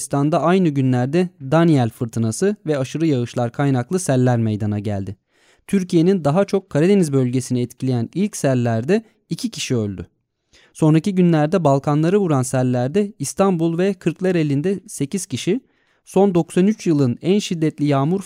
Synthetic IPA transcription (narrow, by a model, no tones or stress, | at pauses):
st̪ʰand̪aajnɯɟynlʲæɾd̪ɛd̪anijælʲfɯɾt̪ʰɯnasɯvɛaʃɯɾɯjaɯʃlˠaɾkʰajnaklˠɯsælʲːæɾmejd̪anaɟæ̰lʲd̪ɪ | t̪ʰyɾcʰije̞nind̪aɦat͡ʃʰo̞kʰːaɾad̪e̞nizbølʲɟe̞siniɛt̪cʰilʲejænilʲcsælʲːæɾd̪ɛ | icʰicʰi̥ʃiø̞lʲd̪y̰ | so̞nɾaciɟynlʲæɾd̪ɛbalˠkʰanlˠaɾɯvuɾansælʲːæɾd̪ɛist̪ʰambulˠvɛkʰɯɾklˠaɾe̞lʲind̪ɛse̞ciz̥cʰiʃi | so̞nd̪o̞ksanyt͡ʃjɯlˠɯnænʃid̪ːɛt̪lʲijaːmuɾ